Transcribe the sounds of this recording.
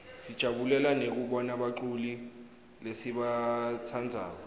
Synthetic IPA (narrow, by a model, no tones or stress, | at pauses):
sid̥ʒ̥ʱaɓulɛlanek̬uɓɔnaɓaǁuli | lesiɓat͡sʰand͡zʱa̰ːɔ